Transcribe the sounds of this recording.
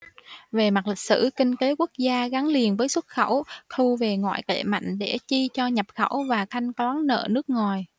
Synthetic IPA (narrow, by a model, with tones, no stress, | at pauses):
ve˨˩ma˨˩li˨˩k̟̚sɨ̰˧˥kï˧ŋ̟ke˨˦ku˦˥ək̚zaː˧ɣa˨˦ŋli˨˩ənvəː˨˦jswt̚xə̰˧˩wt̪ʰu˧ve˨˩ŋwa̰ː˧˨jkḛ˧˩ma̰˧˨jŋ̟ɗe˧˩t͡ɕi˧t͡ɕɔ˧ɲə˨˩p̚xə˧˩wvaː˨˩t̪ʰa˧jŋ̟kwaː˨˦ŋnə̰ː˧˨nɨ˦˥ək̚ŋɔ˨˩j